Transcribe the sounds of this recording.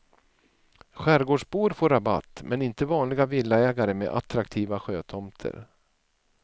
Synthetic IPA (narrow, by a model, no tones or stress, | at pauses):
ɧæɾɡoːʂbuːɾfoːɾaba̰t̪ːmʔɛnɪnt̪əvɑːnlɪɡavɪlːaɛːɡaɾəmḛːʔa̰t̪ɾakt̪ʰiːvaɧøːt̪ʰɔmt̪ʰə̰ɾ